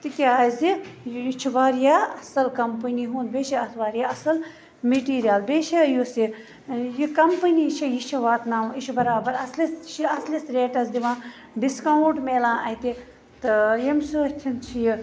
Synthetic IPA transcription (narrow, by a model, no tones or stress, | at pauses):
t̪ikʲaːzijjit͡ʃʰiʋaːɾjaːɐsɐlkɐmpɨniɦũːnd̪beːʃiɐt̪ʰʋaːɾijaːɐsɐl | meʈiːɾijaːlbeːʃʰijusi | jikɐmpɨnit͡ʃʰijit͡ʃʰiʋaːt̪naːit͡ʃʰibɐɾaːbɐɾɐslisʃiɐslisɾeːʈɐsd̪iʋãː | ɖiskauɳʈmeːlãːʔɐt̪i | t̪ɨjɐmsut̪ʰint͡ʃʰiji